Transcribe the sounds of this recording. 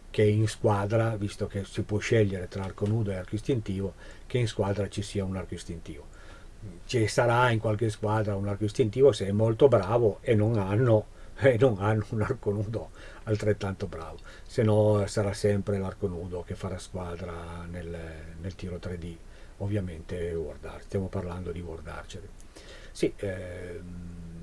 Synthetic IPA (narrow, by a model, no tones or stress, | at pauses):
keiŋskwaːd̪ɾavist̪okesipwɔʃɛʎːeɾet̪ɾaarkonuːd̪oearkoist̪int̪iːvo | keinskwaːd̪ɾat͡ʃisiːaunarkoist̪int̪iːvo | t͡ʃesaɾaiŋkwalk̟eskwaːd̪ɾaunarkoist̪int̪iːvoseɛmːolt̪obɾaːvoenoŋanːoenoŋanːounarkonuːd̪o | alt̪ɾet̪ːant̪obɾa̰ːvo | senɔsaɾasɛmpɾelarkonuːd̪ok̟efːaɾaskwaːd̪ɾanelnelt̪iːɾot̪ɾed̪i | ovːjament̪eword̪a̰rst̪jamoparland̪od̪iɡword̪a̰rt͡ʃele | si